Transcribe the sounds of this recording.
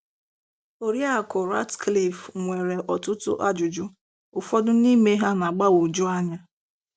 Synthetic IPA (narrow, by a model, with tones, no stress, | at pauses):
o˨ɾja˦˨kʊ˨ɾa˦tkli˦˨fŋʷe˨ɾe˨ʔɔ˨tʊ˦tʊ̰˦ʔa˦d͡ʒʊ˨d͡ʒʊ˦ | ʊ˨fɔ˦dʊ˦ni˦me˦ɦa˦na˨ɡ͡ba˦wo˨d͡ʒʊ˦a˦ɲa˦